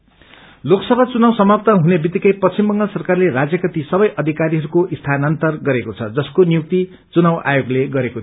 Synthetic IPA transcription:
loksʌbʱat͡sunawsʌmʌp̚t̪ʌɦunebit̪ikʌjpʌt͡simbʌŋɡʌlsʌrkarlerad͡zjʌkʌt̪isʌbʌjʔʌd̪ʱikaɾiɦʌɾukoʔist̪ʰanʌnt̪ʌrɡʌɾekot͡sʰʌd͡zʌskonijuk̚t̪i | t͡sunawʔa̰joɡleɡʌɾekot̪ʰi

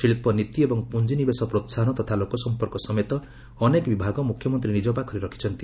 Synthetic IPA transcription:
iɭipɔnit̪iebɔŋpund͡ʒinibesɔpɾot̪sanɔt̪ɔt̪ʰalokɔsɔmpɔɾkɔsɔmet̪ɔː | nekbibʱaɡɔmukʰjɔmɔnt̪ɾinid͡ʒɔpakʰɔɾiɾɔkʰi̥t͡ʃʰɔnt̪i

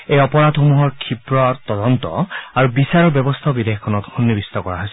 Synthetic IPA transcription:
ejɔpɔɹadxomuɦɔɹkʰipɹɔt̪ɔdɔntɔ̰aɹubisaɹɔɹbjɔbɔst̪ʰɔbidexkʰːɔnɔtxunːibist̪ɔkɔɹa̰ɦosɛ

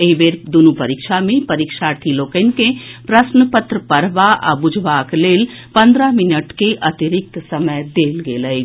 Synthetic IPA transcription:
eiʋeːɾd̪unupəɾikʃamẽpɐɾiːkʃaɾʈ̪ʰiloːkənkẽpɾəsnəpət̪ɾəpəɾʋaʔa̰bʊd͡ʒʱʋaːkleːl | pɐ̃nd̪ɾamɪnəʈkeʔɐt̪iɾɪk̚t̪sɐməjd̪eːlɡeːləj

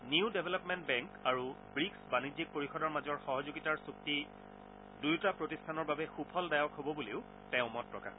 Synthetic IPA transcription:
niʊdɛbʱɛlɔpmɛntbɛŋkaɹu | bɹiksbanizik̚poɹixɔdɔɹmazɔɹxɔɦɔzuɡitaɹsuk̚ti | dujtapɹotistʰanɔɹbabɛxupʰɔldajɔkɦobɔbuleʊ | tɛʊ̃mɔt̚pːɹɔka̰

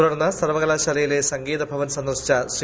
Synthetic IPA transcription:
ɾɐrnːɐsɐrʋɐɣɐlaːɕɐlɐjile̞sɐŋɡiːd̪ɐbʱɐʋɐnsɐnd̪ɐrʂi̥t͡ɕːɐsr

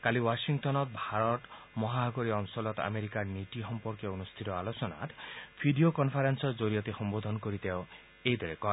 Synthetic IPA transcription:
kaliwasiŋt̪ɔnɔt̪bʱaɾɔt̪ | mɔɦaɦɔɡɔɾiɔnsɔlɔt̪a̰meɾikaɾnit̪iɦɔmpɔɾkjɔunust̪ʰiɾɔalosɔna̰t̪bʰʱiɖiokɔnpʰaɾensɔd͡ʒoɾiɔt̪ehɔmbod̪ʱɔnɔkɔɾit̪eo | ejd̪ʱeɾekɔ

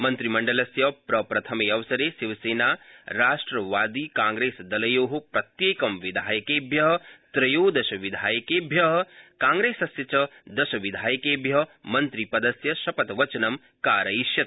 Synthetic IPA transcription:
mɐnt̪ɾimɐɳɖɐlɐsjɐpɾɐpɾɐt̪ʰɐmeːɐʋɐsɐɾeːsiʋɐseːnaːɾaːʂʈɾɐʋaːd̪ikãːŋɡɾeːsd̪ɐlɐjoːɦɐpɾɐt̪jeːkɐmʋid̪ʱaːjɐkeːbʱjɐɦɐ̆t̪ɾɐjoːd̪ɐʃɐʋid̪ʱaːjɐkeːbʱjɐɦɐkãːŋɡɾeːsɐsjɐt͡ʃɐd̪ɐʃɐʋid̪ʱaːjɐkeːbʱjɐɦmɐnt̪ɾipɐd̪ɐsjɐʃɐpɐt̪ʋɐt͡ʃɐnɐm | kaːɾɐiʃjɐt̪

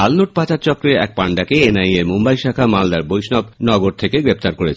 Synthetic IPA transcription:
alnuʈ̚pat͡ɕaɾt͡ɕɔkɾeɾɛ̰k̚paɳɖakeenajeɾmumbajʃakʰamald̪aɾbojʃnɔbnɔɡoɾt̪ʰekeɡɾep̚t̪aɾkoɾet͡ɕʰ

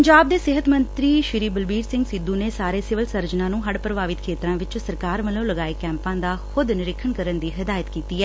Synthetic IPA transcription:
əɲd͡ʒaːb̚d̪eːsɪɦət̪mənt̪ɾiːʃɪɾiːbəlbiːɾsɪ̃ŋɡsɪd̪ːũːneːsaːɾeːsɪʋəlsəɾd͡ʒnãːnũːɦəɽpɾəʋaːʋɪt̪kʰeːt̪ɾãːʋɪt͡ʃsəɾkaːɾməlõːləɡaːeːkɛ̃ːmpãːd̪aːxʊd̪nɪɾɪkʰəɳkəɾənd̪iːɦɪd̪aːjət̪kiːt̪iːɛː

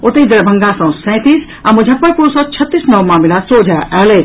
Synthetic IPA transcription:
ot̪ejd̪ɾbʱə̃ŋɡasɐ̃w̃sɛ̃t̪is | amũd͡ʒʱɐpːənpuɾsɔt͡ɕʰɐt̪ːisnɐwmaːmilasod͡ʒʱaʔɛːle

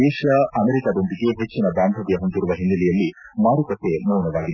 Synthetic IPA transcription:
ɛːʃɐɐmeɾikaːd̪ond̪iɡe̞ɦet͡ʃːinɐb̪aːnd̪ʱɐʋjɐɦond̪iɾuʋɐɦinːɐlijɐlːi | maːɾukɐsemɐwnɐʋaːɡid̪

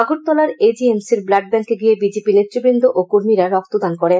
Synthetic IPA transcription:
aɡoɾ̚t̪ɔlaɾed͡ʑiemsiɾblaɖ̚bɛŋkeɡijebid͡ʑepilet̪ːɾobɾind̪ʱoʔokoɾmiɾaɾɔk̚t̪od̪ankɔɾen

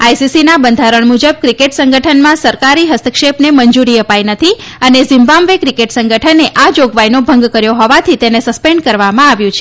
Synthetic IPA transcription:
ajsisinabənd̪ʱaɾəɳmud͡ʒəb̚kɾikeʈsəŋɡəʈʰənmãsəɾkaɾiɦəst̪ʰəkʃepnemənd͡ʒuɾiəpajnət̪ʰi | ənezimbãmʋekɾikeʈsəŋɡəʈʰənːeʔad͡ʒoɡʋajnobʱəŋɡkəɾjoɦɔʋat̪ʰit̪enesəspeɳɖ̚kəɾʋamãaʋjũt͡ʃʰe̥

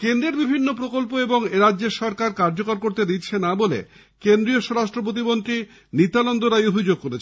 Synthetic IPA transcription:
kend̪ɾeɾbibʱinːopɾokolpoeboŋeɾadːʑeɾʃɔɾkaɾkaɾd͡ʑokaɾkoɾt̪ed̪itːɕʰenabolḛ | kend̪ɾioʃɔɾaʃʈɾop̬ot̪̬imont̪ɾi | nit̪alond̪oɾajobʱid͡ʑoɡ̚koɾet͡ɕʰe

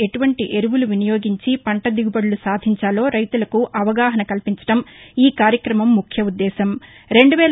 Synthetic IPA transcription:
e̞ʈuʋɐɳʈiʔe̞ɾuʋuluʋinijo̞ːɡiɲt͡ʃipɐɳʈɐd̪iɡubɐɽulusaːd̪ʱiɲt͡ʃaːlo̞ːɾɐjt̪ulɐkuʔɐʋɐɡaːɦɐnɐkɐlpiɲt͡ʃɐ̥ʈɐmiːkaːɾjɐkɾɐmɐmːukʰjɐud̪ːɛːsɐm | ɾe̞ɳɖuʋɛː

